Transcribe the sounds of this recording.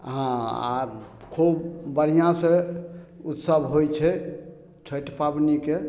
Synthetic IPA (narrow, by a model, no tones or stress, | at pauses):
ɦãa̰kʰubbəɽ̤ijãsẽ | ut̪səbʱɦojt͡ʃʰɛ | t͡ʃʰəjʈpabnike